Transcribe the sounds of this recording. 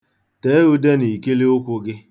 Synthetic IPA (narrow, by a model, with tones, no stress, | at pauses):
te˨e˦ɣu˦de˦ni˨ke˦li˦ʊ˦kʷʊ˦ɡɪ˦